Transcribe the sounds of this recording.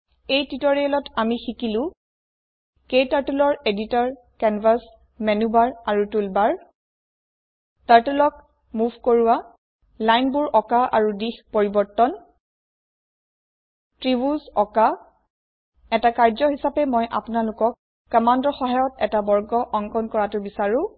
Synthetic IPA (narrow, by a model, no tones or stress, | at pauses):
ejtitɔɹiɛlɔtamixikilʊ̃ | kejtaɹtulɔɹeditɔɹ | kɛnvas | mɛnubaɹaɹutulbaɹ | taɹtulɔk | muvʱkoɹuwa | lajnbuɹʔɔkaʔa̰ɹudixpoɹibɔɹtɔn | tɹibuzɔka | ɛtakaɹzɔɦisapɛmɔjʔa̰pʊnalʊkɔkː | ɔmandɔxɔɦajɔtɛtabɔɹɡɔʔɔŋkɔnkɔɹatʊbisaɹʊ̃